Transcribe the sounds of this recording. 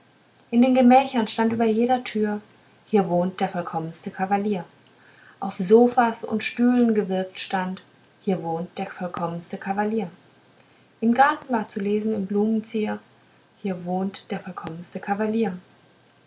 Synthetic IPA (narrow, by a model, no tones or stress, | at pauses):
ʔɪndeːnɡəmɛːçɐnʃtantʔyːbɐjeːɾɐtʰyːɐ | hiːɐvoːnt̚d̥eːɐfɔlkʰɔmənstəkʰavaliːɐ | ʔaʊfzoːfasʊ̰ntʃtyːlənɡəvɪɐk̚tʃtant | hiːɐvoːnt̚d̥eːɐfɔlkʰɔmənstəkʰavaliːɐ | ʔɪmɡaɐtn̩vaːɐt͡suleːzn̩ɪmbluːmənt͡siːɐ | hiːɐvoːntd̥eːɐfɔlkʰɔmənstəkʰavaliːɐ